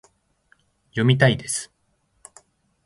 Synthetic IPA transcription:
jo̞mʲit̪aid̪e̞sɨ̥

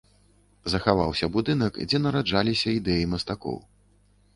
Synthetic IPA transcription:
zɐxavawsʲɐbud̪ɨnɐkd͡zʲɛnɐɾad͡ʐalʲisʲɐid̪ɛjimɐst̪akɔ̰w

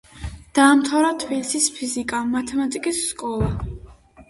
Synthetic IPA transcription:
d̪̥aːmt̪ʰavɾat̪ʰbilisispʰizikʼamat̪ʰɛmat̪ʼikʼisːkʼɔlˠa

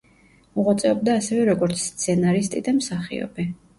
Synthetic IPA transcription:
muʁat̪sʼɛɔb̚d̪aːsɛvɛɾɔɡɔɾt̪sʰst̪sʰɛnaɾist̪ʼḭd̪amsaχḭɔ̰bi

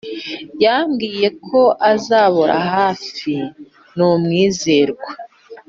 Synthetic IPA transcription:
jaːmɡiːje̞kʰo̞ʔazaːβoɾa̰haːfi | numŋiːze̞ɾɡwa

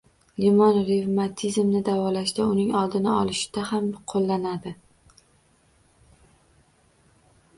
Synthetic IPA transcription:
limɒnɾevmat̪ʰizmnɪd̪avɒlaʃd̪aʊnɪŋɒlˠd̪ɪnɪɒlˠɪʃɪ̥d̪̥ahamqʰolˠːanad̪ɪ

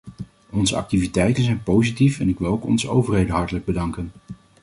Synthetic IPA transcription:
ɔnzəɑ̰k̚tivitɛjtənzɛjnpowzitifɛnɪkʋɪlˠowkɔ̰nzəowvəɹɦejdənɦɑɹtələɡ̚bədɑŋkən

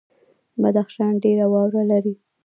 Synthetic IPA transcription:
bad̪axʃɑnɖeɾawɑwɾalaɾi

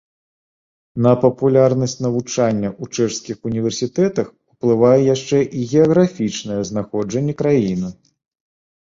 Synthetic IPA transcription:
nɐpɐpulʲarnɐsʲt͡sʲnɐvut͡ʂanʲːɐʔut͡ʂɛʂskʲixunʲivʲɛrsʲit̪ɛt̪ɐx | uplˠɨvajɛjaʂt͡ʂɛʔiɣʲɛɐɣɾafʲit͡ʂnɐjɛznaxɔd͡ʐɐnʲːɛkɾajinɨ

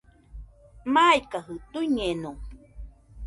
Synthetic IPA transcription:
majkaɦɨt̪uiɲeno

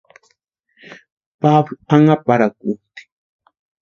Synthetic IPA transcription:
pablaŋapaɾakʊt̪i̥

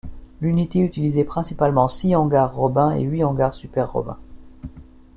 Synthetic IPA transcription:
lynit̪eyt̪ilizepχɛ̃sipalmɑ̃siɑ̃ɡaʁːɔbɛ̃ḛɥiɑ̃ɡaʁsypɛʁːɔ̰bɛ̰̃

